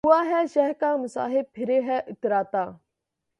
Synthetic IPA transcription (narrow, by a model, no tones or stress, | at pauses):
uaːɦɛːʃɛɦkaːmʊsa̰ːɦɪb̚pʰɪɾeːɦɛːʔʊt̪ɾaːt̪aː